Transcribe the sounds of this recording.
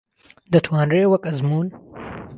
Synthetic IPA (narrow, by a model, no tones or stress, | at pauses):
d̪ət̪ʰwɑːnɾeːwɐkɐzmuːn